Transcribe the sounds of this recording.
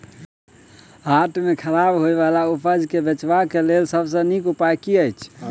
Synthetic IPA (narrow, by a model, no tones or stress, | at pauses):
ɦaʈʰmekʰəɾabɦojbalaupʰəd͡ʒkebet͡ʃbakelelsəbsə̃nikupajkiəjt͡ʃʰ